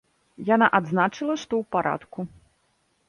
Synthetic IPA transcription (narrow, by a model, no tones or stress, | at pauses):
janaʔad̪znat͡ʂɨlˠɐʂt̪ɔwpaɾʔa̰t̪ku